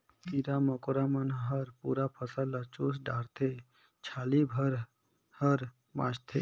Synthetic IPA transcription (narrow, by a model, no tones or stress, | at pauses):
piɾaməkoɾamənɦəɾpuːɾapʰəsəlːat͡ʃusɖaːɾt̪ʰe | t͡ʃʰaːlibʱəɾ | həɾ | bã̰ːt͡ʃt̪ʰe